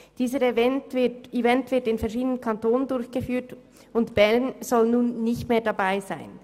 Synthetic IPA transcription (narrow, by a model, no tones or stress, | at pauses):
d̥iːzəɾvɛntvɪtivɛntv̥ɪɐtɪnfɛɐʁʃiːdənənkʰɑntoːnəndʊɾçɡ̥əfyːt | ʊntb̥ɛɐnz̥ɔlnuːnːɪçtmeːɐdabaɪzaɪn